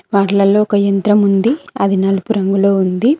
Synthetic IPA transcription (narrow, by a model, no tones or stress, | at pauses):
ʋaːɾlɐlo̞ːkɐjɐnt̪ɾɐmund̪iɐd̪ʱinɐlupuɾɐŋɡuloːund̪i